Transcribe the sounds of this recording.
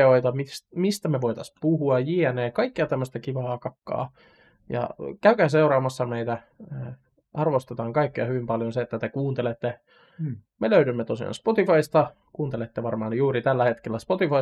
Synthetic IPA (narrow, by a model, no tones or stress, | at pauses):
oit̪ɑmismist̪æmeʋoit̪ɑspuhuɑjiɛneːkɑikːeɑt̪æmːøst̪ækiʋɑːkɑkːɑ̰ː | jɑ̰kæykæːseuɾɑːmɑsːɑmeit̪æ | ʔɑrʋost̪et̪ɑːŋkɑikːiɑhyʋimpɑljonseet̪ːæt̪ekuːnt̪elet̪ːe | meløydymːet̪osiɑ̰nspot̪ifɑist̪ɑ | kuːnt̪elet̪ːeʋɑrmɑːnjuːɾit̪ælːæhet̪kelːæspot̪ifɑ